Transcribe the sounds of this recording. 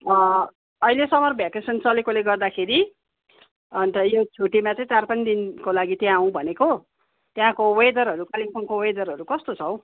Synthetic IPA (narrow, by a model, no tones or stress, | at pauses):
ʌ | ʌilesʌmʌrbʱjakesʌnt͡sʌlekoleɡʌrd̪akʰeɾi | ʌnt̪ʌjot͡sʰuʈimat͡sʌĩt̪arpʌnid̪inkolaɡit̪jãɦũbʱʌneko | t̪jãkowejd̪ʌɾɦʌɾukaliŋpʰʌnkowejd̪ʌɾɦʌɾukʌst̪ot͡sʰʌw̃